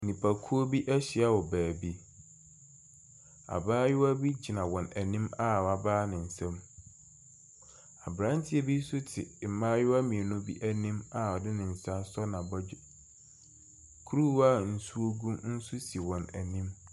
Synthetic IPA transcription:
nĩ˨pʰa˨kʰu˦o˦bi˦ʔæ˦ɕɪ˨a˦wɔ˨bæː˨bi˦ | a̰˨baː˦jʊ˦wa˦bi˦d͡ʑi˨nã˨wɔ̃˨næ˨nĩ˦ma˦˨a˨baː˦nɪ̃˨n̩˨sɛ̃˦m | a˨bɾã˦n˦tʰɪ˦e˨bi˦sʊ˦tʰɪ˨m̩˨mãː˦jʊ˦a˦mĩ˨e˨nʊ̃˦bi˦ʔæ˦nĩ˦ma˨ɔ˨dɪ˦nɪ̃˨n̩˨sa˦sɔ˦nã˨bɔ˦ | kʰu˦ɾu˦wa˦˨n̩˨su˦o˦ɡũ˦mn̩˦su˦si˨wɔ̃˨næ˨nĩ˦m

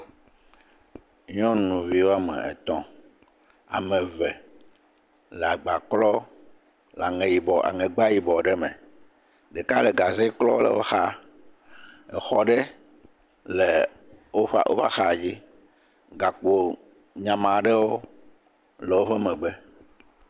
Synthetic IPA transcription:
ɲ˦ɔ̃˦nũ˨vi˨˦wo˦a˦mɛ̰̃˨ɛ̰˨t̪ɔ̃˦ | a̰˨mɛ̃˨vɛ˨ | lɛ˨a˨ɡ͡ba˨klɔ˦ | la˨ŋẽ˨ji˨bɔ˨ʔa̰˨ŋɛ̃˨ɡ͡ba˦ji˨bɔ˨ɖɛ˦mɛ̰̃˨ | ɖɛ˨ka˦le˨ɡa˨ze˦klɔ˦lɛ̰˨wo̰˦xa˦ | ɛ˨xɔ˦ɖe˦ | le˨ | wo˦ɸa̰˦ʔo̰˦ɸa̰˦xa˨d͡ʑi˦ | ɡa˨k͡po˨ | ɲã˨mã˨ɖɛ˦wo˦ | lɛ˨wo˦ɸɛ˦mɛ̃˨ɡ͡bɛ˦

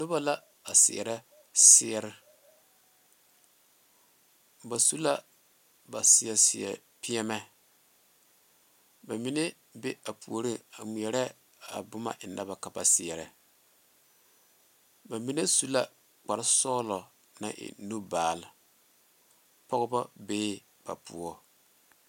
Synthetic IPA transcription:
nʊ˦ba˦la˦ | a˨sɪ̰˨ɛ̰˨ɾɛ˦ | sɪ˦ɛ˦ɾɪ˦ | ba˨su˦la˦ | ba˨sɪ˨ɛ˨sɪ˨ɛ̰˨ | pɪ˦ɛ˦mɛ˦ | ba˨mi˦ne˦ | be˦a˨pʰu˨o˨ɾi˦a˨mi˨ɛ˨ɾɛ˦ | a̰˨bʊ˦ma̰˨ʔɪ˨na˦ba˨ka˨ba˨sɪ˨ɛ˨ɾɛ̰˨ | ba˨mi˦ne˦su˦la˦ | k͡pa˨ɾɪ˦sɔː˦lɔ˨ | na̰˦ʔɪ̰˨nu˦baː˨lɪ˨ | pɔ˦ɣɨ˦ba˦beː˦ | b̥a̰˨pṵ˨ɔ˦

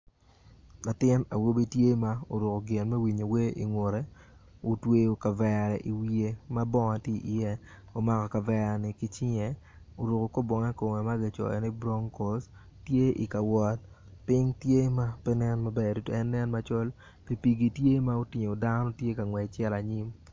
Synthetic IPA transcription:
la˨tɪ˦na˨wo˦bi˦tje˦ma˦o˨ɾʊ˨ko˨ɡɪ˨nmɛ˦wi˨ɲo˨we˦ʔi˨ŋwo˨ɾɛ˨o˨twe˦o˨ka˨vɛ˨ɾɛ˨ʔi˨wi˦e˦ma˦bɔ˦ŋa˨ti˦ʔi˨jɛ˦ | o˨ma˨kɔ˨ka˨vɛ˦˨nɪ˨kɪ˦t͡ʃɪ˦ŋɛ˨ | o˨ɾo˨ko˨ko˦bɔ˨ŋɛ˦ko˨ŋɛ˨ma˦ɡɪ˨t͡ʃɔ̰˨ɛ̰˨ni˦bɾo˦ŋko˨s | tje˦ʔḭ˨ka˨wɔ˦t̚ | pɪ˦ŋtje˦ma˦pɛ˦nɛ˦nma˨bɛ˦˨du˨˦to˨ɛ˦nːɛ˦nma˦t͡ʃɔ˦l | pi˨pi˨ɡi˨tje˦ma˦o˦tɪ˨ɲo˨da˦nɔ˦tje˦ka˨ŋwɛ˨t͡ʃɛ˦la˨ɲi˦m

